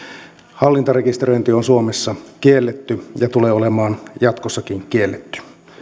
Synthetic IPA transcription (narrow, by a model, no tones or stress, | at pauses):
hɑlːint̪ɑrekist̪eɾøjnt̪ionsuomesːɑkielːet̪ːyjɑt̪uleːolemɑːnjɑt̪kosːɑkiŋkielːet̪ːy̥